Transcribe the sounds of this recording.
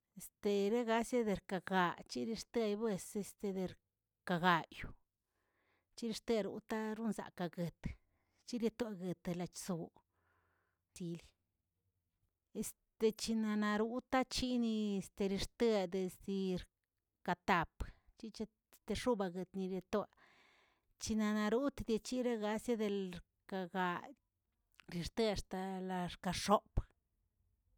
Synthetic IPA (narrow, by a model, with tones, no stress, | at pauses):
e˨st̪e˧ɾe˦ɡa˧˦sje˦d̪e˧ɾka˨ɡa˨t͡ʃi˦ɾi˧ɾt̪e˦jbwe˧se˧st̪e˧d̪e˧ɾ | ka˧ɡa˨ju˨ | t͡ʃi˦ɾi˧ɾt̪e˦ɾṵ˨˦t̪a˦ɾu˦nza̰˨ka˧ɡe˨t̪ | t͡ʃi˦ɾe˧t̪a˧ɡe˨t̪la˧t͡ʃso˨ | zi˧li˧ | e˧s | t̪e˧t͡ʃi˧na˧na˧ɾu˦t̪a˦t͡ʃi˦ni˧e˧st̪e˧ɾi˧ɾt̪e˦d̪e˨sd̪i˧ɾ | ka˧t̪a˨pt͡ʃi˦t͡ʃe˦ | st̪e˧ʂu˦ba˧ɡe˨t̪ni˧ɾje˧t̪wa˧ | t͡ʃi˧na˧na˧ɾu˦t̪a˧d̪ja˧t͡ʃi˦ɾa˦ɡa˧sja˦d̪e˧lɾ | ka˧ɡa˧ | ɾi˧ɾt̪e˧a˧ʂt̪a˧la˧ɾka˧ʂo˦p